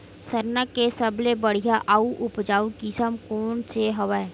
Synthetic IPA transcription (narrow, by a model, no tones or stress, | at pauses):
səɾnəkːesəblebəɽ̤ijaʔaːuʔʊpd͡ʒaːukɪsəmkoːnseɦɐʋae